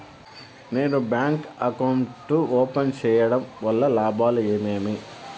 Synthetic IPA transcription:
neːnubjaːŋkɐkɐwɳʈːuoːpɐnt͡ʃɛːjɐɽɐmʋɐlːɐlaːbʱaːlueːmeːmi

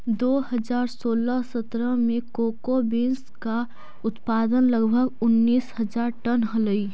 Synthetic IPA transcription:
d̪oːɦəzaːɾsoːləsət̪ɾəmẽkoːkobenska | ʊt̪paːd̪ənləɡbʱəɡʊnːiːshəd͡ʒaːɾʈənɦələi

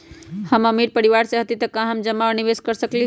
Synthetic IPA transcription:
həməmiɾpəɾiʋaɾsẽɦət̪it̪əkãɦəmd͡ʒəmːaəniʋeskəɾsəkli

